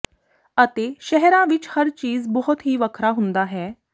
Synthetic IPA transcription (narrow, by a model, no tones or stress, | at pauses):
ət̪eʃɛɦɛɾãʋɪt͡ʃhəɾt͡ɕiːzbɔɦʊt̪ɦiːʋəkʰɾaɦũnd̪aɦɛː